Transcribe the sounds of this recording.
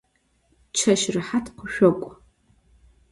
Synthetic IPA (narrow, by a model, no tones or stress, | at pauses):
t͡ʃʰaʃrɨħatʰqʷʰʊʃᶣakʷʼ